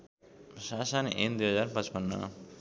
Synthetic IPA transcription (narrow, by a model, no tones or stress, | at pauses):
sasʌnend̪ujɦʌd͡zaɾpʌ̃t͡spʌnːʌ̰